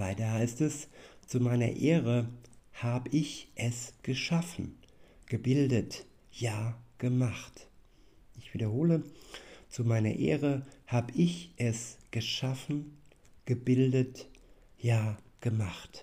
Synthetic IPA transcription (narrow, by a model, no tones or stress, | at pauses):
vaɪtɐhaɪstɛst͡sumaɪnɐ̰ʔeːʁəhaːbəʔɪçʔɛsɡ̥əʃafn̩ɡ̥əbɪldət | jaːɡ̥əmaχt | ʔɪçv̥iːdɐɦoːlət͡sumaɪnɐ̰ʔḛːʁəhaːbəʔɪçʔɛsɡ̥əʃafn̩ | ɡ̥əbɪldət | jaːɡ̥əmaχt